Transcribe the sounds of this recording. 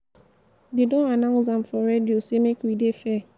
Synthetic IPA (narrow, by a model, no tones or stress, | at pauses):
dedõanãzãmfɔɾediosemekidefɛ